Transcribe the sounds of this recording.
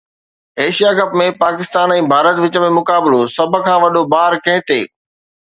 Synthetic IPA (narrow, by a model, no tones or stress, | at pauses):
eːʃijakɐpmẽpaːkɪst̪aːnɛ̃ːbʱaːɾət̪ʋɪt͡ɕəmẽmʊkaːbɪlosɐbʱə̆kʰãːʋɐɗobaːɾkɐ̃ɦɪ̃t̪eː